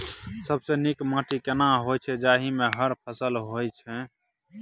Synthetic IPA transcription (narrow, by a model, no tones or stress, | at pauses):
səbsenikmãʈʰikenaɦojt͡ʃʰɛd͡ʒaːɦimeɦəɾpʰəsəlɦojt͡ʃʰɛ